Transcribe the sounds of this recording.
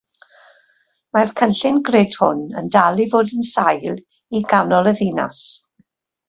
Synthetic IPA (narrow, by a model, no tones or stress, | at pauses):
markʰənɬɪnɡreːd̥hʊ̰nə̰ndalˠivoːdənsajlˠ | iɡanɔlˠəðina̰s